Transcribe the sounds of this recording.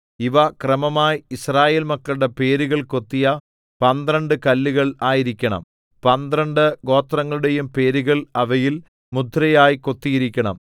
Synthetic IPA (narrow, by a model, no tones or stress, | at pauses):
iʋɐkrɐmɐmaːjiisraːje̞ːlmɐkːɐɭuɽe̞pe̞ːɾuɣɐɭko̞t̪ːijɐ | pɐnd̪rɐɳɖɨkɐlːuɣɐɭaːjiɾikʲːɐɳɐ̰m | pɐnd̪rɐɳɖɨɡo̞ːt̪rɐŋːɐɭuɽe̞jumpe̞ːɾuɣɐɭɐʋɐjil | mud̪ʱːɾɐjaːjiko̞t̪ːijiɾikʲːɐɳɐ̰m